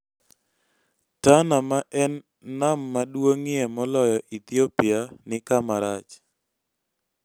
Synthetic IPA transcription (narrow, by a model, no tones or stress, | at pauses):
tanamaʔɛnː | amːadwoŋɪɛmɔlɔjɔʔit̪iopɪanɪkamaɾat͡ʃ